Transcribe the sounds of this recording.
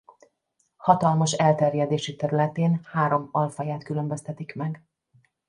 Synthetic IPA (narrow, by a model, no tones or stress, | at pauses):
hɒt̪ɒlmɒʃɛlt̪ɛrjɛd̪eːʃit̪ɛɾylɛt̪eːnhaːɾo̞mɒlfɒjaːt̪kylømbøst̪ɛt̪ikmɛɡ